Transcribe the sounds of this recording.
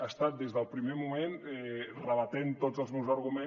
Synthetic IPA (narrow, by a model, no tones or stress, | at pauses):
ast̪at̪̚d̪ezðəlˠpɾimemumenɛrəβət̪ent̪ozəlˠzmɛwzəɾɣumẽ